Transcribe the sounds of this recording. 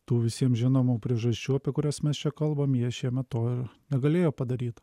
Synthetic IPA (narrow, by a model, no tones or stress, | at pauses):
t̪uːʋʲɪsʲiɛmʒʲɪnoːmuːpʲɾʲiɛʒɐsʲt͡ʃʲuːɐpʲɛkʊɾʲɛsmʲɛst͡ʃʲɛkɐlˠbɐmjiɛʃʲiɛmʲɛt̪tːoːɪɾnʲɛɡɐlʲeːjoːpɐd̪ɐɾʲiːt̪